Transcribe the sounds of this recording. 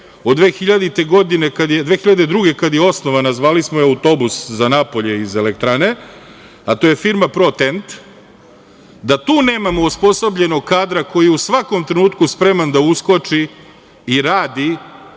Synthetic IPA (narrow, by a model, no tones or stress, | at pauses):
od̪d̪ʋeːxiʎad̪it̪e̞ɡo̞d̪ine̞kad̪jed̪ʋe̞ːxiʎad̪e̞d̪ɾuɡe̞kad̪jeo̞snoʋanazʋaːlismojɛaut̪o̞buszanapo̞ʎe̞ize̞lek̚t̪ɾane̞ | at̪o̞jefiɾmapɾo̞t̪ent̪ | d̪at̪uːne̞ːmamo̞uspo̞sobʎe̞no̞ɡ̚kaːd̪ɾako̞jijeusʋako̞mt̪ɾenuːt̪kuspɾe̞mand̪auskot͡ʃiː | ɾaːd̪i